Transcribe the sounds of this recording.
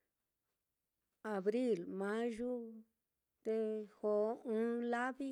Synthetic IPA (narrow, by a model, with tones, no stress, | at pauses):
a˨βɾi˦˨lmã˨˦ʒu˦ | t̪e˧ho˨˦ũ˦la˦βi˦